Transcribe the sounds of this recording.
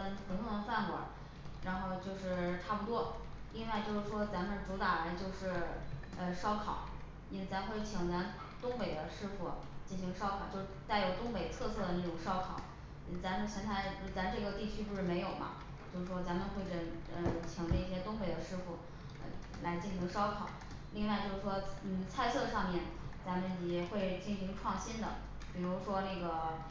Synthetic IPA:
pʰu˧˩t̪ʰʊ˥˩d̪ə˧fa˥˩nkwɔ̰˨˧˩ | ɻa˧˥nxo˥˧ʊt͡ɕjo˥˧ʊʂɻ̩˥˩ʈ͡ʂʰa˥˩pu˩t̪wɔ˥ | li˥nwa˥˧ɪt͡ɕjo˥˧ʊʂɻ̩˥˩ʂwɔ˥t͡sa˧˥nmə˨˧nʈ͡ʂu˧˥t̪a˨˩ɻə˧˥nt͡ɕjo˥˧ʊʂɻ̩˥˩ | ə˧ʂɑ˥ʊkʰɑ˨˩˦ʊ | i˥˩t͡sa˧˥mxwe˥˩ɪt͡ɕʰi˨˩ŋt͡sa˧˥n | t̪ʊ˥ŋpe˨˩ɪd̪ə˦ʂɻ̩˥˧fu˥˩ | t͡ɕi˥˩nɕi˧˥ŋʂɑ˥ʊkʰɑ˨˩ʊt͡ɕjo˥˧ʊʂt̪a˥˩ɪjo˨˩ʊt̪ʊ˥ŋpe˨˩ɪt̪ʰɤ˥˧sɤ˥˩d̪ə˩n˥˩ʈ͡ʂʊ˨˩ŋʂɑ˥ʊkʰɑ˨˩˦ | t͡sa˧˥mə˧nt͡ɕʰjɛ˥nt̪ʰa˥˧˩ɪ˥˩t͡sa˧˥m˧ʈ͡ʂɤ˥˩ɡə˩t̪i˥˩t͡ɕʰy˥po˥˧ʂɻ̩˥˩me˧˥ɪjo˨˩ʊmɐ̰˧˦ | t͡ɕjo˥˧ʊʂɻ̩˥˩ʂwɔ˥t͡sa˧˥mə˧nxwe˥˩ɪʈ͡ʂə˥˩ə˧t͡ɕʰi˧˨˩ŋlə˧˥i˥˩ɕjɛ˥t̪ʊ˥ŋpe˨˩ɪd̪ə˦ʂɻ̩˥fu˥˩ | ə̰˧ | la˧˥ɪt͡ɕi˥˩nɕi˧˥ŋʂɑ˥ʊkʰɑ˨˩˦ʊ | li˥˧ŋwa˥˧ɪt͡ɕjo˥˧ʊʂɻ̩˥˩ʂwɔ˥n̩˥˩t͡sʰa˥˧ɪt͡sɤ˥˧ʂɑ˥˧ŋmjɛ˥˩n | t͡sa˧˥mə˨˧njɛ˨˩xwe˥˧ɪt͡ɕi˥˩nɕi˧˥ŋʈ͡ʂʰwɑ˥˩ŋɕi˥nd̪ə̰˨ | pi˨˩ɻu˧˥ʂwɔ˥na˥˩ɡə˩

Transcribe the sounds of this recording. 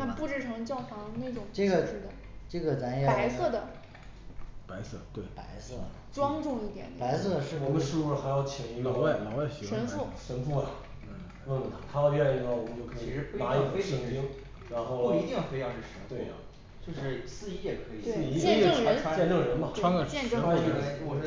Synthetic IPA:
na˥˧pu˥˧ʈ͡ʂɻ̩˥˩ʈ͡ʂʰɤ˧˥ŋt͡ɕjɑ˥˩ʊfɑ˧˥˧ne˥˩ɪʈ͡ʂʊ˨˩˦ŋʈ͡ʂe˥˧ɡə˨˩˥d̪ə˩ | ʈ͡ʂə˥˩ɡə˩t͡sa˧˥njpa˩˧˥ɪsɤ˥˩d̪ə˩ | pa˧˥ɪsɤ̰˥˩t̪we˥˩ɪpa̰˧˥ɪsɤ̰˥˩ | ʈ͡ʂwɑ˥ŋʈ͡ʂʊ˥˧ŋi˥˩t̪jɛ̰˨˩nd̪pa˧˥ɪsɤ˥˩d̪ə˩ʂɻ̩˥˧˩wɔ˨˩mə˦ʂu˥˧u˥˩ə˧˩xa˧˥ɪjɑ˥˧˩ʊt͡ɕʰi˨˩ŋi˧˥˧wa˥˩lɑ˨˧˥wa˥˩ɪɕʂə˧˥fu˥˩ʂə˧˥nfu˥˩ɐ˨˩˥ | wə˥˩nwə˨˩t̪ʰa˧˥t̪ʰa˥ɑ˧pjɛ˥˧˩i˧˥˩ɡə˧˩wɔ˨˩mə˦nt͡ɕjo˥˩ʊkʰɤ˧ii˧˥ʂɻ̩˧˥˧n˥a˧˥˧e˥ɕi˧˩ŋpi˥ŋ | ɻa˧˥nxo˥˩ʊ˥˧i˧˥t̪i˥˩ŋjfe˥ɪjɑ˥˧ŋʂɻ̩˥˩ʂə˧˥˧t̪we˥˩ɪɐ˩ | t͡ɕjo˥˧ʊʂɻ̩˥˩sɹ̩˥˩i˧˥jɛ˨˩kʰɤ˧˥i˨˩˥i˧˥˧ŋɻnʰ˥t͡ɕɛ˥˧nɤ˥˩ɻə˧˥nbɐ˨ʈ͡ʂʰwa˥ka˥˩ɛ˥˧nʈ͡ʂwɔ˨˩˥

